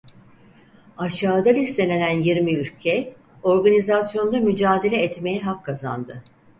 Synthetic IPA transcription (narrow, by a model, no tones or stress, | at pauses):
aʃaːd̪alʲist̪ʰenenænjiɾmiylʲcʰɛ | o̞ɾɡanizasjo̞nd̪amyd͡ʒaːd̪e̞lʲɛːt̪me̞jɛɦakʰːaza̰nd̪ɯ